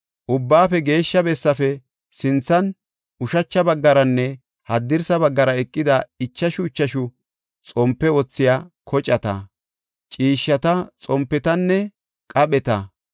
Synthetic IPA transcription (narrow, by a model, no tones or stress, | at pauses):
ʔʊbːaːfɛɡe̞ːʃːɐbɛsːɐfɛ | sɪnt͡sːɐn | ʔʊʃɐt͡ʃːɐbɐɡːɐɾɐnːɛ | hɐd̪ːɪɾsɐbɐɡːɐɾɐɛkʼːɪd̪ɐɪt͡ʃːɐʃʊɪt͡ʃːɐʃʊ | t͡sʼɔmpːɛwɔt͡sːɪjaːkʰɔt͡ʃʼːɐt̪ɐ̰ | t͡ʃʼiːʃːɐt̪ɐt͡sʼɔmpːɛt̪ɐnːɛ | kʼɐɓɛt̪ɐ